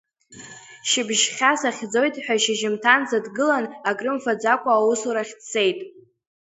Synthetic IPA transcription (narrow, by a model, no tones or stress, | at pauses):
ʃɪbʒχʲasaχʲd͡zo̞jtʼħʷᶣaʃɪʒɪmtʰanzadɡɨlanakʼrɨmfad͡zakʷʼaːwusuɾaχʲtsʰe̞jtʼ